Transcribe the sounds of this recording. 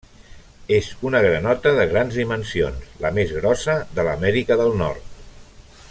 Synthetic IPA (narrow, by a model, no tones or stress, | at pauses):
ezunəɣ̞ɾənɔt̪əðəɣ̞ɾanzðimənsionsləmezɣɾɔsəðələmɛɾikəðəlˠnɔ̰rt̪̚